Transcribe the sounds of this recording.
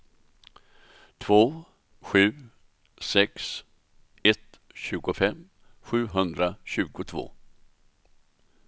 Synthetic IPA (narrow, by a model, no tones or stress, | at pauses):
t̪ʰv̥oː | ɧʉ̟ː | sɛks | ɛt̪ | ɕʉ̟ːɡʊfɛm | ɧʉ̟ːɦɵnd̪ɾaɕʉ̟ːɡʊt̪ʰvo̰ː